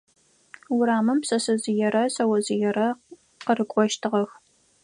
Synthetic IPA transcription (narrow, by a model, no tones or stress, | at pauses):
wʊɾaːmɨmpsɐsɐzɪjɛɾɐsɐwɐzɪjɛɾɐ | qərɨkʷʼɔʃtʰɨʁɐx